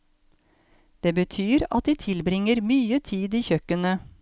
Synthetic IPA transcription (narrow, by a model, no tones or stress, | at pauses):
d̪̥eːbət̪ʰyːɾɑt̪̚d̪iːt̪ʰɪlbɾɪŋəɾmyːət̪ʰiːd̪iːçœkənə